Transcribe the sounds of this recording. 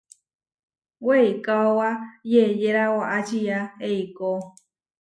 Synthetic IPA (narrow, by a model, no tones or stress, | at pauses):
weikawajejeɾawaʔat͡ʃijaeiko